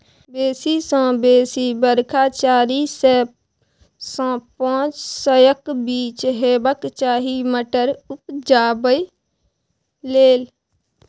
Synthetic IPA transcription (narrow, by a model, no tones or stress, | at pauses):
beːsisɔ̃beːsibəɾkʰaːt͡ʃaːɾise | sɔ̃ːpãːt͡ʃsəjəkbiːt͡ʃɦeːbəkt͡ʃaːɦiməʈəɾʊpd͡ʒaːbəj | leːl